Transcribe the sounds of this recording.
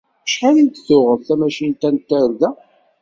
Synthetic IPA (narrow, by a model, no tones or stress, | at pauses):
əʃħalint̪θʊʁəvθæmæʃint̪ænt̪ːæɾðæ